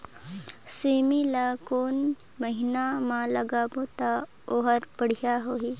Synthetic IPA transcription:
semilakoːn | məɦɪnamãlɐɡaːbot̪a | oɦəɾbəɽ̤ijaɦoːiː

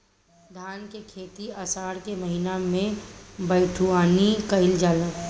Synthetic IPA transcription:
d̪ʱaːnkekʰeːt̪iəsaːɾkemɐɦinamẽbəɪʈʰuaːnikəɪld͡ʒaːlə̃

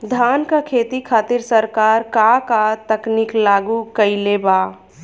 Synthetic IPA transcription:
d̪ʱaːnkakʰeːt̪ikʰaːt̪ɪɾsəɾkaːɾkakat̪əkniːklaːɡukəileːba

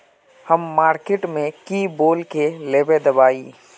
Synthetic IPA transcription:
həmːaːɾkeʈmẽkiːboːlkeleːbed̪ɐbaːiː

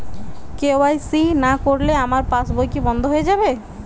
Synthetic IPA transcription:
keoajsinakoɾleamaɾpasbojkibɔnd̪ʱoɦoed͡ʑabe

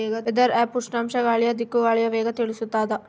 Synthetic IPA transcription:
eːɡɐed̪ɐɾɛːpːuʂnaːmʂɐɡaːɭijɐd̪ikːuɡaːɭijɐʋeːɡɐt̪iɭisut̪ːaːd̪ɐ

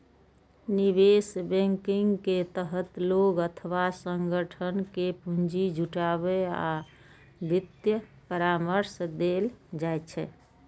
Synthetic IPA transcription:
nibesbɛ̃ŋkiŋɡket̪əɦət̪loɡət̪ʰəʋasəŋɡəʈʰənkepũnd͡ʒid͡ʒuʈaβea̰ | d̪it̪jə | pəɾaməɾsd̪eld͡ʒajt͡ʃʰɛ

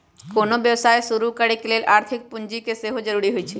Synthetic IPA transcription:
konobjəwsaːjsuɾukəɽekeleːlʔaːɾt̪ʰɪk̚pʊnd͡ʒikeseɦod͡ʒəɾuɾiɦojt͡ʃʰi

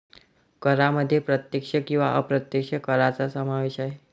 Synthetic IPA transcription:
kəɾaməd̪ʱːjepɾət̪jəkʂəkĩw̃ʋa̰ʔəpɾət̪jəkʂəkəɾat͡sasəmaʋeɕaɦe

